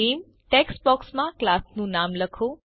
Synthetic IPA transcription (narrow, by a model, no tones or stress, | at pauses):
iːm | ʈeksbɔːksmãklaːsnũnamləkʰoː